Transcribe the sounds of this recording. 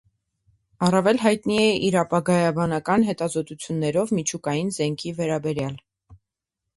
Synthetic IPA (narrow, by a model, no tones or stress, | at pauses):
ɑrɑvɛlɦɑjt̪niɛiɾɑpɑɡɑjɑbɑnɑkɑnɦɛt̪ɑzɔt̪ut͡sʰjunːɛɾɔvmit͡ʃʰukɑjinzɛŋkʰivɛɾɑbɛɾjɑl